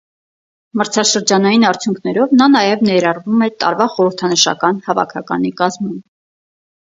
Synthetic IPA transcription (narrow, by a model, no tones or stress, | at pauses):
məɾt͡sʰɑʃəɾd͡ʒɑnɑjinɑɾt͡sʰjuŋkʰnɛɾɔvnɑnɑjɛvnɛɾɑrvumɛt̪ɑ̰ɾvɑχɔɾəɾt̪ʰɑnəʃɑ̰kɑn̪hɑvɑ̰kʰɑkɑ̰nikɑzmum